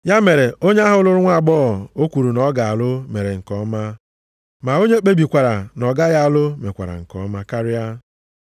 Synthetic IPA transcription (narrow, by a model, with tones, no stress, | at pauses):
ja˦me˨ɾe˨o˦ɲe˦a˦ɦʊ˦lʊ˦ɾʊ˦ŋʷa˦˨ɡ͡bɔ˦ɔ˨o˦kʷu˨ɾu˨nɔ˦ɡa˨a˨lʊ˦me˨ɾe˨ŋ̩˨kɔ˦ma˦ | ma˨o˦ɲe˦k͡pe˦bi˨kʷa˨ɾa˨nɔ˨ɡa˦ja˦a˨lʊ˦me˨kʷa̰˨ɾa̰˨ŋ̩˨kɔ̰˨˦ma˦ka˦ɾɪ˦a˦